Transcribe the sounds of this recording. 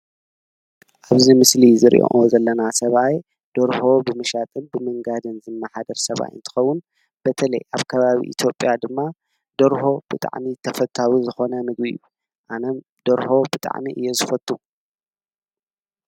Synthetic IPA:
ʔaβzimɨslizɨɾḭʔo̰ʔozɐlːɐnasɐβaj | d̪̥oɾho̞bɨmɨʃat̪ʼɨnbɨmɨŋɡad̪ɨnzɨmːaħad̪ɐɾsɐβa̰jɨ̰nt̪ʰɨ̥xɐwːʊn | b̥ɐt̪ʰɐlɐ̰jʔaβkʰɐβaβḭʔḭt̪ʰjo̞pʼjad̪ɨmːa | d̪oɾho̞b̥ɨt̪ʼa̰ʕmit̪ʰɐfɐt̪ʰawizɨxo̞nɐmɨɡbiju | ʔanɐm | d̪̥ɐɾho̞bɨt̪ʼa̰ʕmiʔɨjːezɨfɐt̪ʼu

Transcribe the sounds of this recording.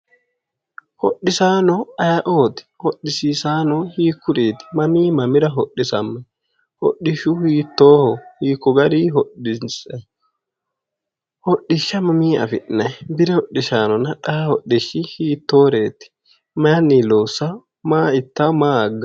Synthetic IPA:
hɔ̰ɗːɪsaːnɔɐjɐʔoːt̪ɪ̥hɔɗːɪsiːsaːnɔhiːkːʊɾeːt̪ɪ̥mɐmiːmɐmɪɾɐɦɔɗːɪsɐmːɐ | hɔ̰ɗːɪʃʊhiːt̪ːoːhɔhiːkːɔɡɐɾiːɦɔɗɪsɐ | hɔɗːɪʃːɐmɐmiːɐ̰fɪʔnɐjbɪɾɛhɔɗːɪʃaːnɔnɐᶑɐɐhɔɗːɪʃːɪhiːt̪ːo̞ːɾe̞ːt̪ɪ̥ | maːniloːsːɐ | maːɪt̪ːɐmaːɐɡːɐ

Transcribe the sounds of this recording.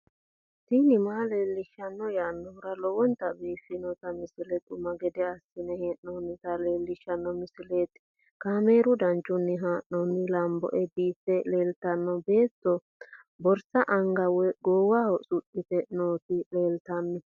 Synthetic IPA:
t̪iːnɪmaːle̞ːlːɪʃɐnːɔjaːnːɔhʊɾɐlɔwɔnt̪ɐbiːfːɪnɔt̪ɐmɪsɪlɛt̪ʼʊmɐɡɛd̪ɛɐsːɪnɛheʔnɔnːɪt̪ɐleːlːɪʃːɐnːɔmɪsɪle̞ːt̪ | kaːme̞ːɾʊd̪ɐnt͡ʃʼːʊnːɪɦaːʔnɔnːɪlɐmbɔ̰ʔɛbiːtːɛle̞ːlt̪ɐnːɔbe̞ːt̪ːɔ | bɔɾsɐʔɐŋɡɐwɛɡoːwahɔsʼʊɗːɪt̪ɛnoːt̪ɪleːlt̪ɐmːɪ

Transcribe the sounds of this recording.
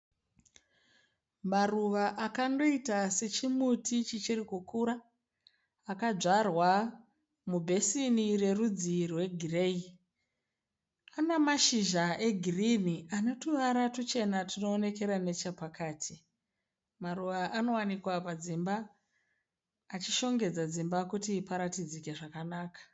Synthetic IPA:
maruʋaʔakando̞itase̞t͡ʃimutʰit͡ʃit͡ʃiɾikukuɾaː | kad͡ʒarwa | mubʱe̞sinire̞rud͡zirwe̞ɡʱirei | anamaʃiʒaʔe̞ɡʱiriniʔano̞tuʋaɾatut͡ʃe̞natino̞ːne̞ke̞ɾane̞t͡ʃepakaːtʰi | maɾuʋaʔano̞wanikwapad͡zimba | t͡ʃiʃo̞ŋɡe̞d͡zad͡zimbakutipaɾatid͡zike̞ʐakanaːkḁ

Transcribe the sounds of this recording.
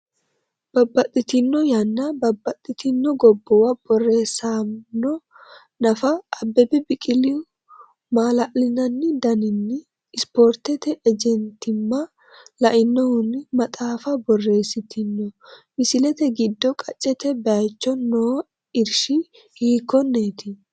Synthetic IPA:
b̥ɐbːɐt̪ʼːɪt̪ɪnːɔjɐnːɐbɐbːɐt̪ʼːɪt̪ɪnːɔɡɔbːɔwɐb̥ɔrːe̞ːsanːɔ | nɐfɐːbːɛbɛbɪkʼɪlɪ | maːlɐʔlɪnɐnːɪd̪ɐnɪnːɪː | spoːɾt̪ɛt̪ɛʔɛd͡ʒɛnt̪ɪmːɐ | lɐʔɪnːɔhʊnɪmɐt̪ʼaːfɐbɔrːe̞ːsːɪt̪ʰɪnːɔmɪsɪlɛt̪ɛɡɪd̪ːɔkʼɐt͡ʃʼːɛt̪ɛbɛɐjt͡ʃːɔnoː | ɪɾʃɪ | hiːkːɔnːeːt̪ɪ

